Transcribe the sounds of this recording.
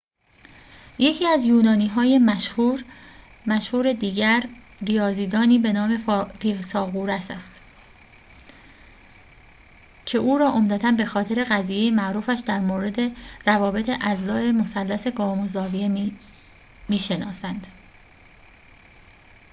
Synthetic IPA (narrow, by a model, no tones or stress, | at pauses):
je̞cʰiːæzjuːnɒːniːɦɒːje̞mæʃhuɾ | mæʃhuːɾe̞d̪iːɟæɾ | rijɒːziːd̪ɒːniːbe̞nɒːme̞fisɒːɣuːɾæsæ̰st̪ | cʰe̞ʔuːɾɒːʔo̞md̪æt̪ʰænbe̞xɒːt̪ʰe̞ɾe̞ɣæziːjejemæʔɾuːfæʃd̪æɾmoːɾe̞d̪e̞ɾævɒːbe̞t̪ʰe̞ʔæzlɒːʔe̞mo̞sælːæse̞ɡɒːmozɒːvie | miːʃenɒːsænd̪̥